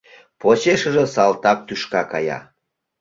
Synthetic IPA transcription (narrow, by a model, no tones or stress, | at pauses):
poɕeʃəʒĕsɑlt̪ɑk̚t̪yʃkɑkɑjɑ̰